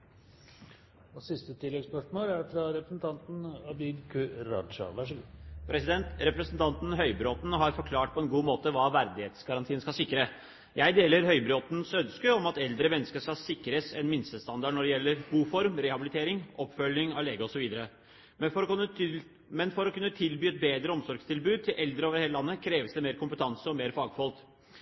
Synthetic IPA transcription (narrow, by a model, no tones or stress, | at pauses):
ɔsɪst̪ət̪ʰɪlːɛɡspœʂmoːlæɾfɾɑɾɛpɾəsn̩t̪ʰɑnt̪n̩ɑbɪɡ̪kʰʉɾɑ̰d̪ʂɑ̰ʋæʂɡpʰɾɛsɪd̪ɛnt̪ɾɛpɾɛsn̩t̪ʰɑnt̪n̩ɦœʏbɾoːt̪n̩ɦɑɾfɔɾkʰlɑːʈ̚pʰɔɛnɡuːmoːt̪əʋɑːʋæɾd̪ɪheːt̪sɡɑɾɑnt̪ʰiːənskɑsɪkːɾə | jæɪd̪eːləɾɦœʏbɾoːt̪nsœnskəɔmɑt̪ɛld̪ɾəmɛnːəskəʂkɑsɪkːɾəsɛnmɪnsəst̪ɑnd̪ɑɖɳɔɖɛjɛlːəɾɡuːfɔɾmɾɛhɑbɪlɪt̪ʰeːɾɪŋʔɔpːfœlːɪŋɑʋleːɡəɔsɔʋiːd̪əɾə | fɔɾ | mɛnfɔɾɔkʉnːət̪ʰɪlbyːɛt̪̚beːd̪ɾəɔmsɔɾɡst̪ʰɪlbʉːd̪̚t̪ʰɪlʔɛld̪ɾəoːʋəɾheːləlɑnːəkʰɾeːʋəsd̪ɛmeːɾkʊmpət̪ʰɑnsəɔmeːɾfɑːɡfɔlt̪